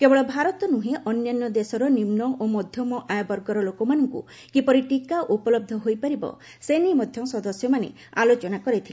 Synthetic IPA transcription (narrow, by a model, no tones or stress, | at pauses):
kebɔɭɔbʱaɾɔt̪ɔnuɦeʔɔnjanːɔd̪esɔɾɔnimnɔʔomɔd̪ʱjɔmɔʔajabɔɾɡɔɾɔlokɔmanɔŋkṵ | kipɔɾiʈikaʔupɔlɔb̚d̪ʱɔɦojpaɾibɔ̰ | senimɔd̪ʱjɔsɔd̪ɔsjɔmanḛ | a̰lot͡ʃɔnakɔɾet̪ʰile